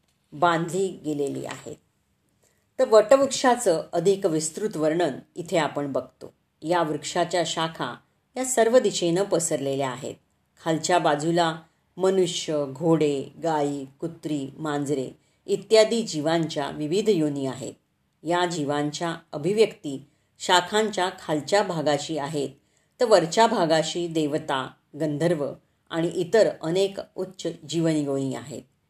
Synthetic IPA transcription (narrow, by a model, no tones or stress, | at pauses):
bãnd̪ʱliːɡelelḭːa̰ɦḛt̪̚ː | əɾʋəʈəʋukʂat͡səʔəd̪ʱikʋist̪ɾut̪ʋəɾɳənit̪ʰeapəɳbəɡ̚ʱt̪o̰ | jaʋɾukʂat͡ɕjaɕakʰa̰ | jasəɾʋəd̪iɕenəpəsəɾleleaɦḛt̪̚ | kʰalt͡ɕjabad͡zula | mənuʂjəɡʱoɽeɡaiːkut̪ːɾiːmãnd͡zɾe | it̪jad̪ʱiːd͡ʑiʋãɲt͡ɕja̰ʋiʋid̪ʱjoniːaɦḛt̪̚ | jad͡ʑiʋaɲt͡ɕjaəbʱiʋjəkt̪iː | ɕakʰãɲt͡ɕjakʰalt͡ɕjabʱaɡaɕiːaɦet̪̚ː | əɾʋəɾt͡ɕabʱaɡaɕiːd̪eʋt̪a | ɡənd̪ʱəɾʋə | a̰ɽ̃iʔit̪əɾənekut̪ːɕəd͡ʑiʋənjoniːa̰ɦḛt̪̚